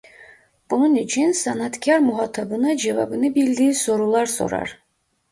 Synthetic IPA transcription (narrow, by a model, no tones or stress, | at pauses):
b̥ununit͡ʃʰinsanat̪kʲʰaɾmuɦat̪ʰɑbɯnɑd͡ʒɛva̰bɯnɯbild̪iːsoɾulˠɑɾso̰ɾɑ̰ɾ